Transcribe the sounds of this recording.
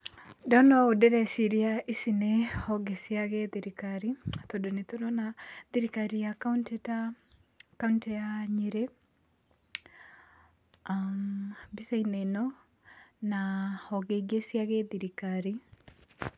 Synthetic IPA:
dɔnɔaodeɾɛʃiɾiaʔisinehɔɡesjaɣeðiɾikaɾitodonetoɾɔnaðiɾikaɾijakntta | kauntɛjaɲiɾe | ambisainenɔ | nahɔɡeiɡesjaɣeðiɾikaɾi

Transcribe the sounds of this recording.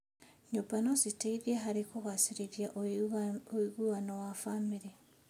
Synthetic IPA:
ɲopanoziteiðjeɦaɾikuɣasiɾeɾjaʔ | oiɣuwanowafamiɾi

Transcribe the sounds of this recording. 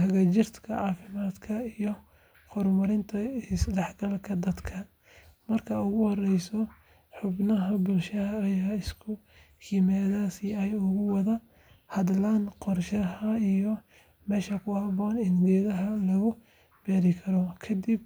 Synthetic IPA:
hɐɣɐt͡ʃɪrt̪ʰkʰɐ̰ʕɑːfɪmaːd̪kʰɐijɔ | hʊrmɐɾɪnt̪ʰɐɪsdɛħɡɐlkʰɐd̪ɐd̪kʰɐ | mɐrkʰɐʊɣʊhɔrɛjsɔ | ħʊbnɐɦɐbʊlʃɐɦɐːjaːɪskʰʊ | hɪmɛːðaːsiɛjʊɣʊwɑðɐ | hɐd̪laːnqɔrʃɐɦɐijɔ | mɛːʃɐkʰʊhɐbɔːnɪnɡɛːðɐɦɐlɐɣʊ | bɛːɾɪkʰɐɾɔkʰɐd̪ɪb̚

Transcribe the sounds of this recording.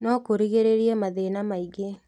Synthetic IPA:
nɔkoɾiɣeɾeɾiɛmaðenamaiɡe

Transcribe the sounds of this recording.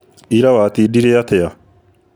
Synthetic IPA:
iɾawaːt̪iːdiɾeat̪ɛa

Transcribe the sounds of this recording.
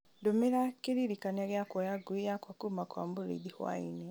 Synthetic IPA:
domeɾakeɾiɾikanaɣjakwɔjaɡuijakwakumakwa̰mboɾḭðihwa̰ine

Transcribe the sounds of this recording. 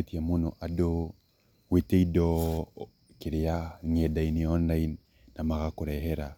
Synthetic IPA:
etiamunɔʔado | weteidɔ | kiɾɪaŋɛdainiɔnlainː | amaɣakuɾɛɦɛɾa

